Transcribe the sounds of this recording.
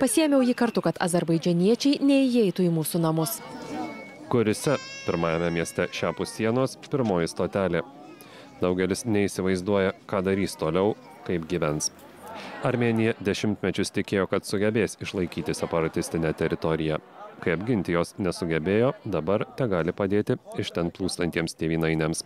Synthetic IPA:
pɐsʲiːjɛmʲjɛʊjiːkɐɾt̪ʊkɐt̪ɐ̰zʲɛɾbɐɪd͡ʒʲɛnʲiɛt͡ʃʲɛɪnʲɛɪjɛɪt̪uːiːmuːsunɐmʊs | kʊɾʲʊsʲɛpʲɪɾmɑːjɛmʲɛmʲiɛsʲt̪ʲɛʃʲæːpʊsːʲiɛnoːspʲɪɾmoːjɪst̪oːt̪ʲæːlʲeː | d̪ɐʊɡʲɛlʲɪsnʲɛiːsʲɪʋɐɪzd̪uɔjɛkɑːd̪ɐɾʲiːst̪oːlʲɛʊ | kɐɪpɡʲiːʋʲɛns | ɐɾʲmʲeːnʲɪjɛd̪ʲɛʃʲɪmʲt̪ʲmʲɛt͡ʃʲʊst̪ʲɪkʲeːjoːkɐt̪sʊɡʲɛbʲeːsɪʃlˠɐɪkʲiːt̪ʲɪsʲɛpɐɾɐt̪ʲɪsʲt̪ʲɪnʲɛt̪ʲɛɾʲɪt̪ɔɾʲɪjækɐɪɐbʲɡʲɪnʲt̪ʲɪjoːsnʲɛsʊɡʲɛbʲeːjoːd̪ɐbɐɾt̪ʲɛɡɑːlʲɪpɐd̪ʲeːt̪ʲɪɪʃʲt̪ʲɛnplˠuːst̪ɐnʲt̪ʲiɛmst̪ʲeːʋʲiːnɐɪnʲeːms

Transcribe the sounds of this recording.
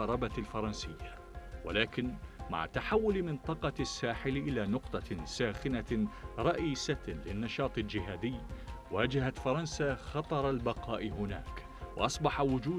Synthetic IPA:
ɑɾˤɑbalfɑɾˤɑnsɪjːa | wa̰laːkɪnma̰ʕt̪aħawːʊlmɪnt̪ˤɑqɑsːaːħɪlʔɪlaːnʊqt̪ˤɑsaːxɪnaɾˤɑʔiːsalɪnːɑʃɑːt̪ˤɪld͡ʒɪɦaːd̪ɪjːwaːd͡ʒahat̪fɑɾˤɑnsaːxɑt̪ˤɑɾˤalbɑqɑːʔɪhʊna̰ːk | wɑ̰ʔɑsˤbɑħawʊd͡ʒuː

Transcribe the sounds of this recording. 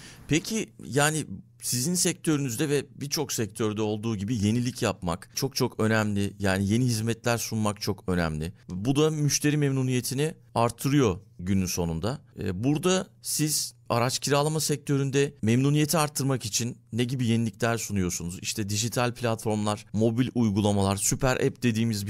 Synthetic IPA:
pʰecʰijaːnɪ | sizinsɛc̚t̪ʰø̞ɾynyzd̪ɛvɛbiɾt͡ʃʰo̞ksɛc̚t̪ʰøɾd̪ɛo̞lˠd̪uːɟibije̞nilʲicʰjap̚makt͡ʃʰo̞k̚t͡ʃʰo̞kø̞næmlʲɪjaːnije̞niɦizmɛt̪lʲæɾsunmakt͡ʃʰo̞kø̞næ̰mlʲɪbud̪amyʃt̪ʰe̞ɾiːmemnunije̞t̪ʰinɪ | aɾt̪ʰːɯɾɯjo̞ɟynynso̞nund̪a̰ːbuɾd̪asiz̥aɾat͡ʃcʰiɾalˠamasɛc̚t̪ʰø̞ɾynd̪ɛmemnuːnije̞t̪ʰiaɾt̪ʰːɯɾmakit͡ʃʰinːeɟibijenilʲicʲlʲæɾsunujo̞sunuzḭʃt̪ʰɛd̪iʒit̪ʰalʲpʰlʲat̪fo̞ɾmlˠaɾ̥mo̞bilʲujɡulˠamalˠaɾsypʰæɾʔɛ̰p̚d̪e̞d̪iːmizb

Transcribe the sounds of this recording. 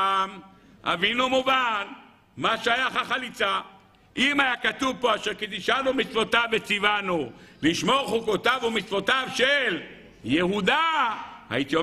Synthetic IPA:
m | a̰vinumuvan | maʃajaχaχalit͡sa | ʔimajakat̪uvpo̞aʃeʁkit̪iʃanumit͡svo̞t̪avːet͡sivanuliʃmoχukot̪avumit͡svo̞t̪avʃel | jeɦud̪aha̰it̪io

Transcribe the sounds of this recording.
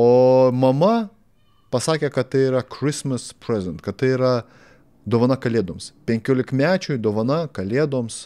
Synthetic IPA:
oːmɐmɐ | pɐsɑːkʲekɐt̪t̪ɐɪiɾɐkɾʲɪsmɐspʲɾʲɛzʲɛnt̪kɐt̪t̪ɐɪiɾɐ | d̪oːʋɐnɐkɐlʲeɛd̪oɔmspʲɛŋʲkʲoːlʲɪkmʲæːt͡ʃʲʊjd̪oːʋɐnɐkɐlʲeɛd̪oːms

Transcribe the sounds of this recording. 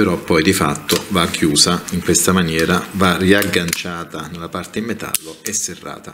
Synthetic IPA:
peɾɔpːɔjd̪ifa̰t̪ːovakʰːjuːsaiŋkwest̪amanjɛːɾavariaɡːant͡ʃaːt̪anelːapart̪eimːet̪a̰lːoɛsːerːa̰ːt̪a

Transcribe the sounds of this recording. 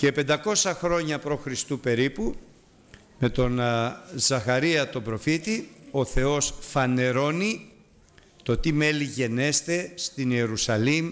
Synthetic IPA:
ce̞pe̞nd̪ɐko̞sɐxɾo̞ɲɐpɾoxɾist̪upe̞ɾipu | me̞t̪o̞nzɐxɐɾiɐt̪o̞bɾo̞fit̪io̞θe̞o̞sfɐne̞ɾo̞ni | t̪o̞t̪ime̞liʝe̞ne̞st̪e̞st̪ine̞ɾusɐlim

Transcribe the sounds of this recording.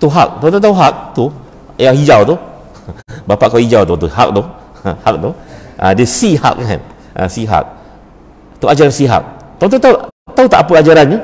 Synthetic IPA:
t̪uɦa̰k̚t̪ɔ̃t̪ɔt̪auɦak̚t̪u | jaŋhid͡ʒawt̪u | bapaʔkawhid͡ʒawt̪ʊt̪uɦa̰k̚t̪u | hak̚t̪uʔã̰desiha̰k̚ka̰n | ã̰siɦa̰k̚ | t̪uad͡ʒaɾansiɦa̰k̚t̪ɔnt̪ɔt̪aut̪aut̪aʔapəad͡ʒaɾant̪u

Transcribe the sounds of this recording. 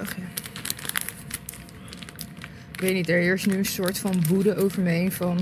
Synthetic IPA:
χa | ʋejnitɛɹɪːɹstnyənsʊːɹtfɑnʋudəʔowvəɹmejnvɑn

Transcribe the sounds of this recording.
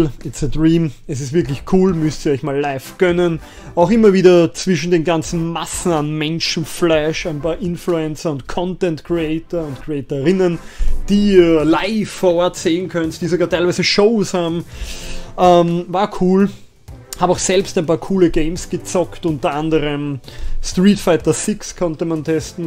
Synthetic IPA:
ɪt͡sədʁiːmɛs̬ɪstvɪɐk̬lɪçkʰuːlmʏstiːɐɔʏçmaːlːaɪfɡ̥œnən | aʊxɪmɐviːdɐt͡sv̥ɪʃn̩deːnɡant͡sn̩masn̩anmɛnʃn̩flɛʃæɪnpaːɐʔɪnfluɛnt͡sɐʊntkʰɔ̃ntɛntkʰʁeɛɪtɐʊntkʰʁ̥eɛːtəʁɪnənd̥iːɐlaɪfːɔːɐɔɐtseːənkʰœnstd̥iːsoɡaːtʰæɪlvæɪzəʃoʊshaːbm̩ | ʔɛmvaːɐkʰuːl | haːbmaʊxsɛlpstæɪnpaːɐkʰuːləɡeɪmsɡ̥ət͡sɔktʔʊ̃ntɐʔandəʁəmstʁiːtfaɪtɐsɪkskʰɔntəmantʰɛstn̩

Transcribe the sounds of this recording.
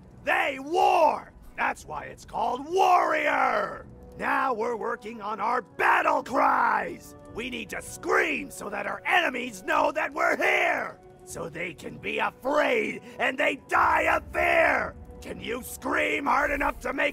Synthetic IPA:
ðeɪwɔɹ | ðætswa̰ɪɨtskʰɔlˠd̚wɔɹiə˞ | naʊwɪɹwɜ˞kɪ̃ŋə̃naʊə˞bæɾl̩ˠkʰɹ̥aɪz̥ | winid̚tɨskɹĩmsoʊðɨɾaʊə˞ʔɛnɨmiznoʊðɨt̚wɪɹhiɹ | soʊðeɪkʰɨ̃nbiəfɹeɪɾɨ̃nðeɪdaɪəfɛɹkʰɨ̃njɨskɹĩmhɑɹɾɨnʌftʰɨmeɪ

